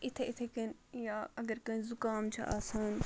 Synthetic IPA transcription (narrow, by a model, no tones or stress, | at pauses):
ɪt̪ʰeʔɪt̪ʰekɐnjaːɐɡɐɾkɐnzʊkaːmt͡ʃʰɐ̰ʔa̰ːsaːn